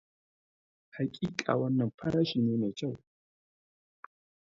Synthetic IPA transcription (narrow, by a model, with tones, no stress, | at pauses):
ha˨kʲʼiː˦kʼa̰ː˨wɐ˦nːɐ˨mɸɐ˦ɽaː˦ʃiː˨neː˦neː˨kɐ˦˨w